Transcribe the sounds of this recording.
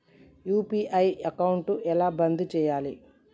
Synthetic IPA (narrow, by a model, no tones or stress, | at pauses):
juːpiːʔɐjɐkɐwuɳʈuʔɛlaːbɐnd̪ut͡ʃɛːjaːli